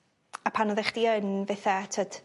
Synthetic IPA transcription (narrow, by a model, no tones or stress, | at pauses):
apʰanɔðɛχd̥iənvɛθɛtʰəd̥